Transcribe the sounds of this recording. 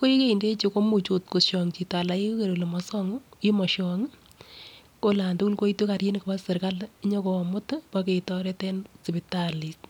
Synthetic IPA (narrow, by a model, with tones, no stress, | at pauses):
ko˦i˦ke˦i˨nde˦t͡ʃo˧ko˦mu˨t͡ʃo˨t̚ko˨ʃɔ˨ŋt͡ʃi˨ta˨la˨i˦ke˦ɾo˨le˨mɔ˨sɔ˦ŋi˦mɔ˨ʃɔ˨ŋ | ko˦la˨ntu˦ku˦lko˦i˦tu˦ka˨ɾji˦nkpa˦sɪ˨ɾka˦lɲɔ˦ko˨mʊ˦tpake˨tɔ˦ɾɛ˦tɛ˦nsi˨bi˨tali˨s